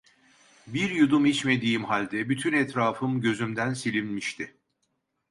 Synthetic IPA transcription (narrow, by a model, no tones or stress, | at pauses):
biɾjud̪umhit͡ʃme̞d̪ijimhalʲd̪ɛbyt̪ʰynɛt̪ɾaːfɯmɟø̞zymd̪ænsilʲinmiʃt̪ʰɪ